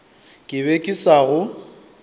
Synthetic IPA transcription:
kʼɪβekʼɪsaɣʊ

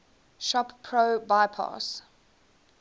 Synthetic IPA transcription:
ʃɔppʰːɹoːbaɪpʰɑ̰s

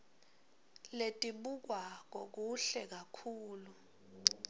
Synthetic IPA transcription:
letʼiɓuk̬waŋ̬ok̬uɬɛk̬akʰuːlu

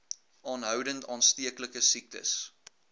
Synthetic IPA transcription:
ʔɑːnɦœwdəntɑːnstiəkləkəsik̚tə̰s

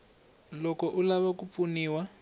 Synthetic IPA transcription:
lɔkɔʔulaβakup̪funiːwa

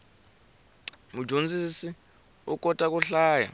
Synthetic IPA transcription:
mu̥d͡ʒʱond͡zʱisi | ukʼɔtʼak̬ʼuɬaːja̰

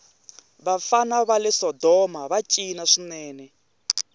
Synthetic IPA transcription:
βafanaβalɛsɔdɔmaβat͡ʃʼinaʂinɛːnɛ

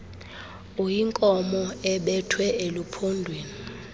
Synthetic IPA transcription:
ujiŋkʼɔmɔɛɓɛtʰwɛelupʰondʱweːni

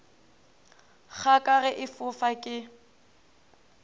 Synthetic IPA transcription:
k͡xʰakʼarɛʔɪfʊfakʼɪ

